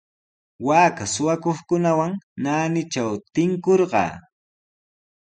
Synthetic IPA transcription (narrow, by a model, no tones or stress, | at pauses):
waːkasʊwakoχkʊnawaŋnaːnɪt͡ʃawt̪ɪŋkoɾɢɑ̰ː